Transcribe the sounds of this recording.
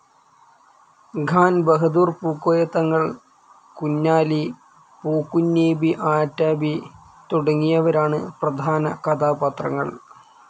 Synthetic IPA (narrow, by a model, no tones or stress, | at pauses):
ɡʱaːnbɐɦɐd̪uːrpuːkːoːjɐt̪ːɐŋːɐɭ | kunːaːli | puːkːunːeːbiʔaːtːaːbi | t̪uɽɐŋːijɐʋɐɾaːɳɨprɐd̪ʱaːnɐ̰kɐd̪aːbɐt̪rɐ̰ŋːɐ̰ɭ